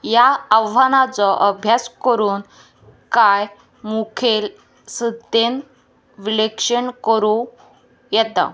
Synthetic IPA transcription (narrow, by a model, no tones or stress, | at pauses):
jaəwʋanat͡sɔʔəbʱjaskəɾuːn | kaj | mukʰel | səd̪en | ʋilekʂəɳkəɾu | jɛt̪a̰